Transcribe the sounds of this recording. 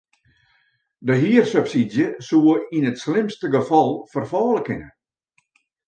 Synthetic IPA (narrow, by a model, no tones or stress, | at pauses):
dəɦiərsøpsidjəsuəinətslɪmstəɡəfɑlˠfərfɔːləkɪnə̰